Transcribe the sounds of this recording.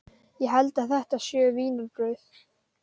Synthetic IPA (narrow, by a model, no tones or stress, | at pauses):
jɛɦɛlt̪aðθɛht̪aðsjœːviːnʏɾpɾœɥθ